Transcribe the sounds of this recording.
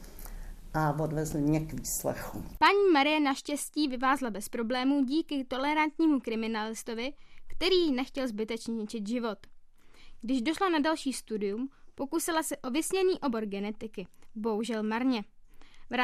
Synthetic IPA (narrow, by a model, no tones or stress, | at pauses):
ʔavodvɛzlɪmɲɛkviːslɛ̰xupaɲiːmaɾɪjɛnaʃcɛsciːvɪvaːzlabɛspɾo̞blɛːmuːɟiːkɪt̪o̞lɛɾant̪ɲiːmukɾɪmɪnalɪst̪o̞vɪkt̪ɛɾiːnɛxcɛlzbɪt̪ɛt͡ʃɲɛɲɪt͡ʃɪt̪ʒɪvo̞t̪ | ɡ̥dɪʒdo̞ʃlanadalʃiːst̪udɪjumpo̞kusɪlasɛʔo̞vɪsɲɛniːʔo̞bo̞ɾɡɛnɛt̪ɪkɪbo̞ɦuʒɛlmaɾɲɛvɾa